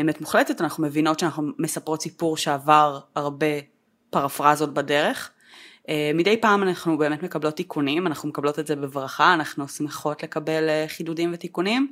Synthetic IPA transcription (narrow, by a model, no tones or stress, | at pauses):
eːmetmuχletetanaχnume̞vino̞tʃeanaχnumesapʁo̞tsipuʁʃeavaʁaʁbe̞ | paʁafʁazo̞t̚bade̞ʁe̞χ | emidejpaːmanaχnube̞ːme̞tme̞kablo̞tːikʰunimanaχnumekablo̞tetzebevʁaχaːnaχnuosmeχo̞tle̞kabe̞lχidudimvetikunim